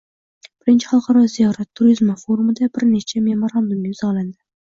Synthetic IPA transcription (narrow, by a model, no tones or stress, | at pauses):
b̥ɪɾɪnt͡ʃʰɪ̥χɑlˠqʰɑɾɒzijɒɾat̪ʰːʊɾizmafoɾumɪd̪abɪɾnet͡ʃʰamemoɾand̪ʊmɡʲaʊzɒlˠand̪ɪ